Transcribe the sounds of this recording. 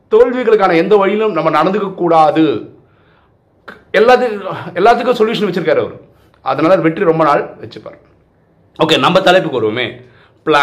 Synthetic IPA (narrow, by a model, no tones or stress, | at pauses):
t̪oːɻʋɪɣɐɭɯkːaːnɐɛnd̪ɐʋɐɻɪjɪlɯ̃mnɐmːɐnɐɽɐnd̪ɯkːɐkːuːɽaːðɯ | ɛlːaːt̪̬ːɯɛlːaːt̪̬ːɯk̬ːʊ̃sɔljuːʂɐnʋɐt͡ɕːɯɾɯkːaːɾeʋɐ̰ɾɯ̰ | ʔɐ̰ðɐnaːlɐɾʋɛʈːriɾɔmbɐnaːɭʋɛt͡ʃːɯpːa̰ːɾ | oːkːeːnɐmbɐt̪ɐlɐɪp̬ːɯkːoːɾɯʋɐmḛː | pɭa